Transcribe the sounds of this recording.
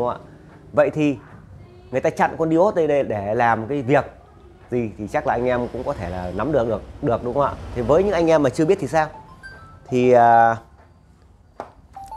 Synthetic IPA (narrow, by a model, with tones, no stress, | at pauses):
a̰ː˧˨ | və̰˧˨jt̪ʰi˨˩ | ŋɨ˨əjt̪aː˧t͡ɕa̰˧˨nkɔ˧nɗi˧˨o˦˥t̪̚ɗə˧jɗə˧jɗe˧˩laː˨˩mkaː˨˦jvi˨˩ək̚ | zi˨˩t̪ʰi˨˩t͡ɕa˦˥k̚laː˨˩ʔa˧jŋ̟ʔɛ˧mkʊ̰˧˥ŋ͡mkɔ˨˦t̪ʰe˧˩laː˨˩na˨˦mɗɨ˨˩ək̚ɗɨ˨˩ək̚ɗɨ˨˩ək̚ɗʊ˨˦ŋ͡mwa̰ː˧˨t̪ʰi˨˩vəː˨˦jɲɨ̰˧˥ŋʔa˧jŋʔɛ˧mːaː˨˩t͡ɕɨ˧ə˧ɓi˦˥ət̪ʰi˨˩saː˧wt̪ʰi˨˩aː˨˩